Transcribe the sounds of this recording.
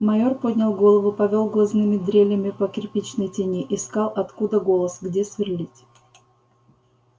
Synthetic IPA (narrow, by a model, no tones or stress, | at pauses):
mɐjorpodʲnʲɪlˠɡo̞lˠəvʊpɐvʲo̞lˠɡlˠɐznɨmʲɪd̪ɾʲelʲjəmʲɪpəkʲɪrpʲit͡ɕnəjtʲɪnʲiʔɪskɑlˠɐt̪kud̪əɡo̞lˠəsɡdʲesvʲɪrlʲitʲ